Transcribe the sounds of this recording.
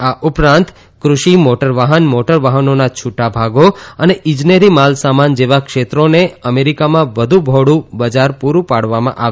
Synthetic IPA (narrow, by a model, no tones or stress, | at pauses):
aʔupɾãnt̪ | kɾuʃimoʈəɾʋaɦənmoʈəɾʋaɦənonat͡ʃʰuʈabʱaɡoəneʔɪ̃d͡ʒneɾimalsamand͡ʒeʋakʃet̪ɾoneəmeɾikamãʋəd̪ʱũbʱoɽũbəd͡ʒaɾpuɾũpaɽʋamã̰ʔa̰ʋ